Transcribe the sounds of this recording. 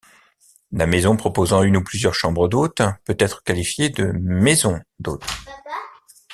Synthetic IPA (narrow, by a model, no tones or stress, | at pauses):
lamezɔ̃pχɔpozɑ̃ynuplyzjœʁʃɑ̃bʁəd̪ot̪pøt̪ɛt̪χə̥kalifjed̪əmezɔ̃d̪oːt̪χ